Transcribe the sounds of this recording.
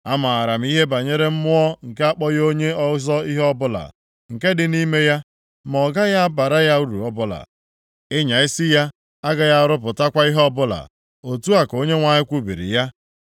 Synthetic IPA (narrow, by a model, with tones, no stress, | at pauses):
a˦ma˨a˨ɾa˨m̩˦i˦ɦe˦ba˨ɲe˦ɾe˦m̩˦mʊ˦ɔ˦ŋ̩˨ke˦a˦k͡pɔ˦jo˦ɲe˦ɔ˦zɔ˦i˦ɦɔ˦bʊ˦la̰˨ | ŋ̩˨ke˦dɪ˨ni˦me˦ja˦ | m˨ɔ˨ɡa˦ja˦a˦ba˨ɾa˦ja˦u˦ɾṵ˨ɔ˦bʊ˦la̰˨ | ɪ˦ɲa˨ɪ˦sɪ˦ja˦ | a˦ɡa˨ja˦ɾʊ˦p̬ʊ˨ta˦kʷa˦i˦ɦɔ˦bʊ˦la̰˨ | o˨tu˦a˨ko˦ɲe˦ŋʷa˦ɲɪ˦kʷu˦bḭ˨ɾḭ˨ja˦